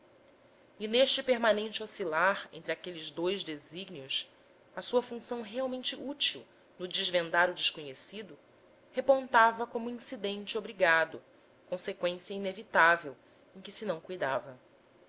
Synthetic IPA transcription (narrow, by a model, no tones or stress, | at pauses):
ɪneʃt͡ʃɪpeɾmanẽnt͡ʃɪosilaɾḛ̃nt̪ɾɪakelɪzd̪ojʒd̪eziɡnius | ɐsuɐfũsɐ̃w̃ɦeawmẽnt͡ʃɪʔut͡ʃiw | nʊd͡ʒiʒvẽnd̪aɾʊd͡ʒɪʃkoɲesid̪ʊ | hepõnt̪avɐkõmʊĩsid̪ẽnt͡ʃɪobɾiɡad̪ʊ | kõsekwẽsijɐinevit̪avew | ẽj̃kɪsɪnɐ̃w̃kujd̪avɐ